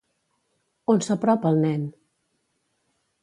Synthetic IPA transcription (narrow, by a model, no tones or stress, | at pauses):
onsəpɾɔpəlˠnɛn